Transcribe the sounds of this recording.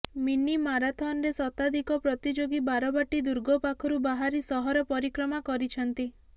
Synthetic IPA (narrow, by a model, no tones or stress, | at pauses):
minimaɾat̪ʰɔnɾesɔt̪ad̪ikɔpɾɔt̪id͡ʒoɡibaɾɔbaʈid̪uɾɡʱɔpakʰɔɾubaɦaɾisɔɦɔɾɔpɔɾikɾɔmakɔɾit͡ʃʰɔnt̪i